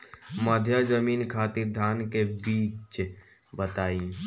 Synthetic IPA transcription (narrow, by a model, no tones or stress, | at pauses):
məd̪ʱjazəmiːnkʰaːt̪iɾd̪ʱaːnkebiːt͡ʃ | bət̪aːi